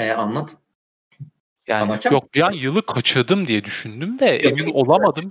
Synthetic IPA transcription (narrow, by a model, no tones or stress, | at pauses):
ɛanlˠat̪ʰɯ̥ | ja̰ːnjok̚d̪ijanjɯlˠɯkʰat͡ʃʰɯɾd̪ɯmd̪ijɛd̪yʃynd̪ymd̪ɛʔemino̞lˠamad̪ɯm